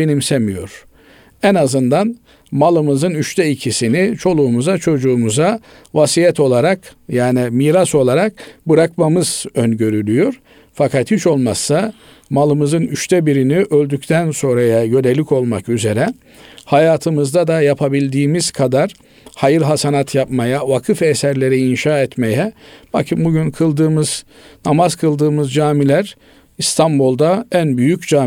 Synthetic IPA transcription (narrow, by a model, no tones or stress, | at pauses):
enimsɛmijo̞̰ɾ̥ | ɛnazɯnd̪an | malˠɯmɯzɯnyʃt̪ʰɛicʰisinit͡ʃʰo̞lˠuːmuzat͡ʃʰo̞d͡ʒuːmuza | vasijɛt̪o̞lˠaɾakjaːnimiːɾaso̞lˠaɾak̚bɯɾakmamɯz̥ønɟø̞ɾylʲyjo̞ɾ | fakʰat̪hit͡ʃo̞lˠmasːa | malˠɯmɯzɯnyʃt̪ʰɛbiɾiniʔø̞lʲd̪yct̪ʰænso̞nɾajajø̞nelʲico̞lˠmakyze̞ɾɛ | hajaːt̪ʰɯmɯzd̪ad̪ajapʰabilʲd̪iːmiz̥kʰad̪aɾ | hajɯɾɦasanat̪ʰjapmajavakʰɯfesæɾlʲe̞ɾiːnʃaːɛt̪me̞jɛb̥akʰɯmbuɟynkʰɯlˠd̪ɯːmɯz̥ | namazkʰɯlˠd̪ɯːmɯzd͡ʒaːmilʲæɾ | ist̪ʰanbulˠd̪aænbyjycd͡ʒaː